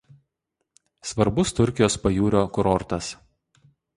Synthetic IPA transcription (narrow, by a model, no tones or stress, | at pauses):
sʋɐɾbʊst̪ʊɾʲkʲɪjoːspɐjuːɾʲoːkʊɾɔɾt̪ɐs